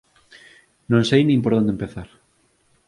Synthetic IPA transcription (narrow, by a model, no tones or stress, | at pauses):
nõnsejnĩmpoɾðond̪empeθaɾ